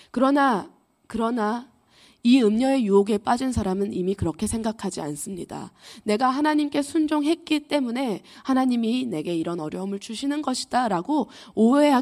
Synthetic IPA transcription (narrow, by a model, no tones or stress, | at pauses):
kɯɾʌna | kɯɾʌna | iɯmɲʌe̞juoɡe̞p͈ad͡ʑins̬ʰaɾamɯnimikɯɾʌkʰe̞sʰe̞ŋɡakʰad͡ʑia̰ns͈ɯmɲida̰ne̞ɡaɦanaɲimk͈e̞sʰund͡ʑoŋɦe̞t̚k͈it͈e̞mune̞hanaɲimine̞ɡe̞iɾʌnʌɾjʌumɯɭt͡ɕʰuɕʰinɯnɡʌɕʰi̥d̥aɾaɡo | oe̞ɦa